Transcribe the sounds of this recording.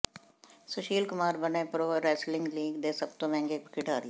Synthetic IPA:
sʊʃiːlkʊmaːɾbɐnepɾoɾɛːslɪ̃ŋɡliːɡd̪eːsɐb̚t̪omɛ̃ːŋɡeːpkɪʈaːɾi

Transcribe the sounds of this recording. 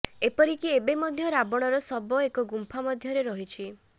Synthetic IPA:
epɔɾikiebemɔd̪ʱjɔɾabɔɽ̃ɔɾɔsɔbɔekɔɡumpʰamɔd̪ʱjɔɾeɾɔɦit͡ʃʰi

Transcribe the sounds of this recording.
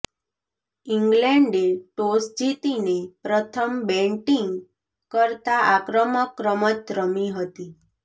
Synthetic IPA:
iŋɡlɛ̃ɳɖeʈosd͡ʒit̪inepɾət̪ʰəmbɛ̃ɳʈiŋɡ | kəɾt̪aʔakɾəməkɾəmətɾəmiɦət̪i

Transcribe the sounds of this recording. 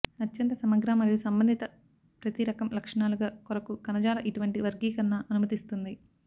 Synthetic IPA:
ɐtːjɐnt̪ɐsɐmɐɡɾaːmɐɾijusɐmbɐnd̪ʱit̪ɐ | pɾɐt̪iɾɐkɐmlɐkʂɐɳaːluɡaːkɔɾɐkukɐnɐd͡ʒaːɾɐʔiʈuʋɐɳʈiʋɐɾɡiːkɐɾɐnɐʔɐnumɐt̪ist̪und̪i

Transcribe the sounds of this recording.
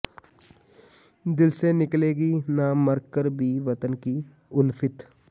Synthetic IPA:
d̪ɪlsenɪkleːɡinaməɾkkːəɾbʱiʋɐt̪ənki | ʊnfʰɪt̪

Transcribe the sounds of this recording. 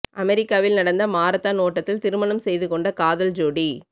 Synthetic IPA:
ʔɐmɛɾɪkːaːʋɪlnɐɽɐnd̪ɐmaːɾɐt̪ːaːnoːʈːɐt̪ːɪlt̪ɪɾɯmɐɳɐmsɛjðɯkɔɳɖɐkaːðɐld͡ʒoːɽi

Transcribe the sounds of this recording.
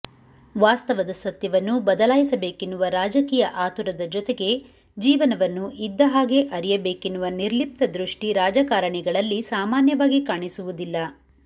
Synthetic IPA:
ʋaːst̪ɐʋɐd̪ɐsɐt̪jɐʋɐnːubɐd̪ɐlaːjisɐbe̞ːkenːuʋɐɾaːd͡ʒɐkiːjɐʔaːt̪uɾɐd̪ɐd͡ʒɔt̪eɡe̞ | d͡ʒiːʋɐnɐʋɐnːuʔid̪ːɐɦaːɡe̞ʔɐɾijɐbe̞ːkenːuʋɐniɾlip̚t̪ɐd̪ɾuʂʈiɾaːd͡ʒɐkaːɾɐɳiɡɐɭɐlːisaːmaːnjɐʋaːɡikaːɳisuʋud̪ilːɐ

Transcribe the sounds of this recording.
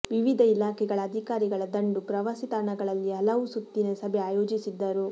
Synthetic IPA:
ʋiʋid̪ʱɐilaːkʰɛɡɐɭɐːd̪ʱikaːɾiɡɐɭɐd̪ɐɳɖupɾɐʋaːsit̪aːɾɳɐɡɐɭɐlːiɦɐlɐʋusut̪ːinesɐbʱɛaːjoːd͡ʒisid̪ːɐɾu

